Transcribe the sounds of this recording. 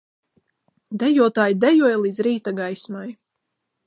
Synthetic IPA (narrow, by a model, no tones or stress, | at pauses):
d̪ɛjuɔt̪aːjd̪ɛjuɔjlˠiːd̪zɾiːt̪aɡajsmaj